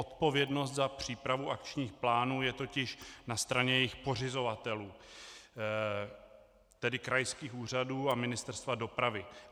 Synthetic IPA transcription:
ot̪po̞vjɛdno̞st̪zapr̝̥iːpɾavuʔakt͡ʃɲiːxplaːnuːjɛt̪o̞cɪʃnast̪ɾaɲɛjɛjɪxpo̞r̝ɪzo̞vat̪ɛluː | t̪ɛdɪkɾajskiːxuːr̝aduːamɪnɪst̪ɛɾst̪vado̞pɾavɪ

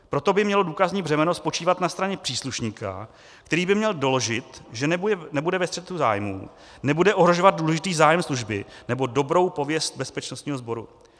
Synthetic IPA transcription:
pɾo̞t̪o̞bɪmɲɛlo̞duːkazɲiːbr̝ɛmɛno̞spo̞t͡ʃiːvat̪nast̪ɾaɲɛpr̥iːsluʃɲiːkʰa̰ | kt̪ɛɾiːbɪmɲɛldo̞lo̞ʒɪt̪ʒɛnɛbudɛvɛst̪r̥ɛt̪uza̰ːjmṵː | nɛbudɛʔo̞ɦɾo̞ʒovad̪̚duːlɛʒɪt̪iːzaːjɛmsluʒbɪnɛbo̞do̞bɾo̞wpo̞vjɛst̪̚bɛspɛt͡ʃnost̪ɲiːɦo̞zbo̞ɾṵ

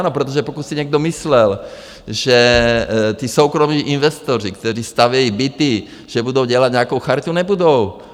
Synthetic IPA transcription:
nɔpɾɛt̪̬ɔʒɛpɔkusiɲɛɡ̚d̪ɔmislɛl | ʒɛ | t̪iːsɔʊkɾɔmiːʔinʋɛst̪ɔɾikt̪ɔɾiːst̪aʋɪɛibit̪i | ʒ̥ɛbud̪oʊɟɛlaɟɲɛakɔʊxaɾt̪uɲɛbud̪oʊ

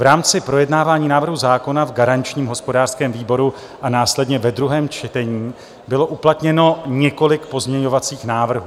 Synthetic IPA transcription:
vɾaːmt͡sɪpɾo̞jɛdnaːvaːɲiːnaːvr̩ɦuzaːko̞navɡaɾant͡ʃɲiːmɦo̞spo̞daːr̥skɛːmviːbo̞ɾu | ʔanaːslɛdɲɛvɛdɾuɦɛːmt͡ʃɛt̪ɛɲiː | bɪlo̞ʔuplat̪ɲɛno̞ɲɛko̞lɪkpo̞zmɲɛɲo̞vat͡siːxnaːvr̩ɦu

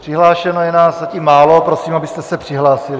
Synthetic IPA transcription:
pr̥ɪɦlaːʃɛnojɛnaːszaciːmːaːlo̞pɾo̞siːmabɪst̪ɛsɛpr̥ɪɦlaːsɪlɪ

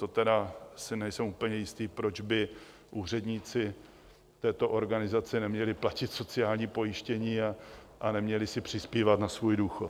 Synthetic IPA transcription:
t̪ot̪ɛdasɪnɛjsɛwʔupəɲɛjɪst̪iːpɾo̞d͡ʒbɪ | ʔuːr̝ɛdɲiːt͡sɪ | t̪ɛːt̪oʔo̞ɾɡanɪzat͡sɪnɛmɲɛlɪplacɪt̪so̞t͡sɪaːlɲiːpo̞jɪʃcɛɲiːa | ʔanɛmɲɛlɪsɪpr̝̥ɪspiːvat̪nasvuːjduːxot̪

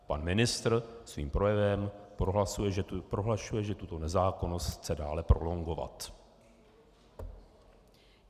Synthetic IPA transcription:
panmɪnɪst̪rsvḭːmpɾo̞jɛvɛmpɾoɦlasujɛpɾoɦlaʃujɛʒɛt̪ut̪o̞nɛzaːko̞no̞st̪t͡sɛdaːlɛpɾʔo̞̰lo̞ŋɡo̞va̰t̪

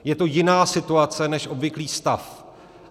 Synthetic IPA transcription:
jɛt̪o̞jɪnaːsɪt̪uat͡sɛnɛʃʔo̞bvɪkliːst̪af

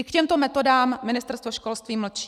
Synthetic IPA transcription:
ɪkcɛmt̪o̞mɛt̪o̞daːmːɪnɪst̪ɛɾst̪voʃko̞lst̪viːml̩t͡ʃ

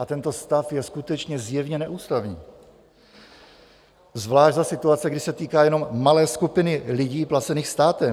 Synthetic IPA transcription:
ʔat̪ɛnt̪o̞st̪afjɛskut̪ɛt͡ʃɲɛzjɛvɲɛnɛʔuːst̪avɲiː | zvlaːʒdzasɪt̪uat͡sɛɡdɪsɛt̪iːkaːjɛno̞mːalɛːskupɪnɪlɪɟiːplat͡sɛniːxst̪aːt̪ɛ

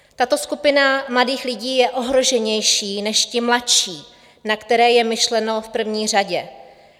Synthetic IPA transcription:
t̪at̪o̞skupɪnamladiːxlɪɟiːjɛʔo̞ɦɾo̞ʒɛɲɛjʃiːnɛʃcɪmlatʃiː | nakt̪ɛɾɛːjɛmɪʃlɛno̞fpr̩vɲiːr̝aɟɛ

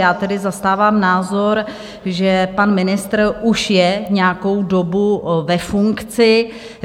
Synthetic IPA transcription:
jaːt̪ɛdɪzast̪aːvaːmnaːzo̞ɾ | ʒɛpanmɪnɪst̪rʔuʃjɛɲɛako̞wdo̞buvɛfuŋkt͡sɪ

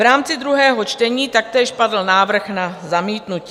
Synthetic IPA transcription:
ɾaːmt͡sɪd̪ɾuɦɛːɦo̞t͡ʃt̪ɛɲiːt̪ak̚t̪ɛːʃpadl̩naːvr̩xnazamiːt̪nuci

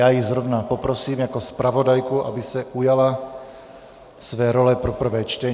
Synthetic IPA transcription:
jaːjizɾovnapopɾosiːmjakospɾavodajkuʔa̰bisɛʔujala | svɛːɾolɛpɾɔpr̩vɛːt͡ʃt̪ɛ

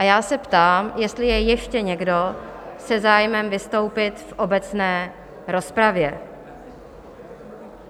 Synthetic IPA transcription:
ʔajaːsɛpt̪aːmjɛst̪lɪjɛjɛʃcɛɲɛɡdo̞sɛzaːjmɛmvɪst̪o̞wpɪt̪fʔo̞bɛt͡snɛː | ɾo̞spɾavjɛ

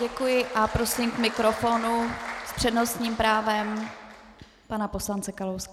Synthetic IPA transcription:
ɟɛkujɪʔapɾo̞sɪmkmɪkɾofo̞nuspr̝̥ɛdno̞st̪ɲiːmpɾaːvɛm | panaposlant͡sɛkalowska

